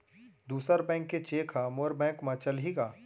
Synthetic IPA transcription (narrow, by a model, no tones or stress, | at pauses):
d̪uːsəɾbɛ̃ːŋkːet͡ʃeːkʰamoɾbɛ̃ːŋkmɐt͡ʃəlɦiɡaː